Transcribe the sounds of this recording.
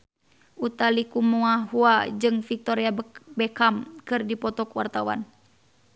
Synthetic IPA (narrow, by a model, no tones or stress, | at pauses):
ʔut̪alikumuaɦuad͡ʒɨŋfik̚t̪ɔɾiabɛkamkɨrdipɔt̪ɔkwa̰rt̪awa̰n